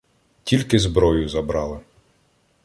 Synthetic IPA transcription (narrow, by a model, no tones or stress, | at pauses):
tʲilʲkɪzbɾɔjʊzɐbɾɑlˠɪ